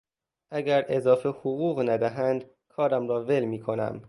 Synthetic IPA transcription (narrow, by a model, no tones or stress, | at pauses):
ʔæɡæɾʔezɒːfehoɣuːɣnæd̪æɦænd̪ | kʰɒːɾæmɾɒːve̞lmiːkʰo̞næ̰m